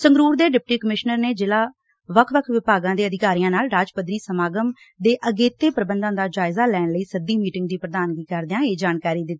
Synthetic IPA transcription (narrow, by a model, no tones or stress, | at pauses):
səŋɡɾuːɾd̪eːɖɪp̚ʈiːkəmɪʃnəɾneːd͡ʒɪlaː | ʋəkʰʋəkʰʋɪpaːɡãːd̪eːəd̪ɪkaːɾiːãːnaːlɾaːd͡ʒpəd̪ɾiːsəmaːɡəm | d̪eːʔəɡeːt̪eːpəɾəbənd̪ãːd̪aːd͡ʒaːɪzaːlɛːɳləiːsəd̪iːmiːʈɪŋɡ̚d̪iːpɾəd̪aːnɡiːkəɾd̪eãːeːd͡ʒaːnkaːɾiːd̪ɪt̪ːiː